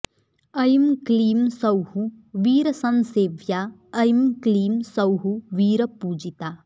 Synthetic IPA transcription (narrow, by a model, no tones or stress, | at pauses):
ɐjmkliːmsɐwhuʋiːɾɐsɐnseːʋjaːɐjmkliːmsɐwɦuʋiːɾɐpuːd͡ʒit̪aː